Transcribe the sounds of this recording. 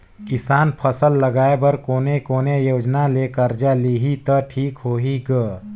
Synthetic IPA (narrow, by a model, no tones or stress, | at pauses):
kɪsaːnpʰəsəlːɐɡaːebɐɾkoːnekoːnejoːd͡ʒnaleːkəɾd͡ʒaliːɦit̪əʈʰiːkɦoːɦiɡə